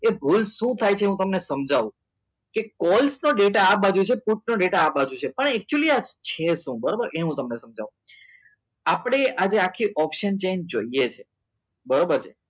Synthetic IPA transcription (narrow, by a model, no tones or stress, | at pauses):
ebʱulʃũt̪ʰajt͡ʃʰeɦũt̪əmnesəmd͡ʒʱaʋũ | kekɔlsnoɖeʈaabad͡ʒũt͡ʃʰepuʈ̚noɖeʈaabad͡ʒũt͡ʃʰepəɳɛk̚t͡ʃuəliad͡ʒt͡ʃʰeʃũbəɾobəɾeɦũt̪əmnesəmd͡ʒa̰ʋũ | apɽ̃eʔad͡ʒeakʰːiʔɔpʃənt͡ʃend͡ʒoijet͡ʃʰe | bəɾobəɾt͡ʃʰe